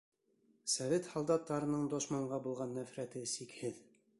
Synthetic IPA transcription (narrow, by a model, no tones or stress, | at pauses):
sɑvʲet̪hɒlˠd̪ɑt̪ːɑɾɤ̆nɤɴd̪oʃmɑɴɢɑbulˠʁɑnːæfɾæt̪ɘsikhɘð